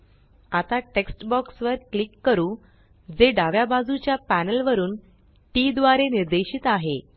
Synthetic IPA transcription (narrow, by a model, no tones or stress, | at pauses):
at̪aʈeksʈbɔksʋəɾklikːəɾuː | d͡zeɖaʋjabad͡zut͡ɕjapænəlʋəɾuːn | ʈid̪ʋaɾeniɾd̪eɕiːt̪aɦe